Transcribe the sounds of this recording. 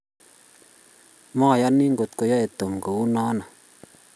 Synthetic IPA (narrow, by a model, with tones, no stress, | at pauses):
ma˦˨ja˦nːi˦ŋɡo˨t̪ko˨ja˦e˨t̪ːo˨mkə˨u˦na˦na˨